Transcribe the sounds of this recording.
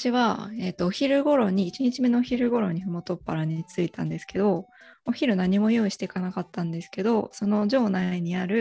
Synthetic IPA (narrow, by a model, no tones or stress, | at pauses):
ḁɕiβ̞ae̞t̪ːoːçiɾɯ̟ɡo̞ɾo̞ɲ̟iːt͡ɕiɲ̟it͡ɕime̞no̞ːçiɾɯ̟ɡo̞ɾo̞ɲ̟iɸɯ̟mot̪o̞pːaɾaɲ̟it͡sɨit̪ãnd̪e̞sɨ̥ke̞d̪o̞oçiɾɯ̟naɲ̟imo̞joːiɕi̥t̪e̞kanakat̪ːãnd̪e̞sɨ̥ke̞d̪o̞so̞no̞ʑo̞ːnaiɲ̟iaɾɯ̟